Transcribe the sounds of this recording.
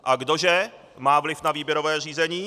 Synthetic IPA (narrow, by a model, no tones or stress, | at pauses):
ʔaɡdoʒɛ | maːvlɪfnaviːbjɛɾovɛːr̝iːzɛɲiː